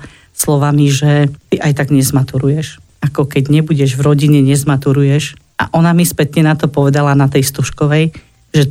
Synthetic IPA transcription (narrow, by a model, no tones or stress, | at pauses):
slɔʋamiʒɛt̪iʔajt̪aɡɲɛzmat̪uɾujɛʃ | akɔkɛɟɲɛbuɟɛʒvɾɔɟiɲɛɲɛzmat̪uɾujɛʃ | a̰ʔɔnamispɛt̪ɲɛnat̪ɔpɔʋɛd̪alanat̪ɛjst̪uʃkɔʋɛj | ʒɛ